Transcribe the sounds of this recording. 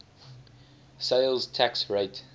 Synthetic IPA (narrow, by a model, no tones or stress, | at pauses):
seɪlˠztʰæksɹeɪt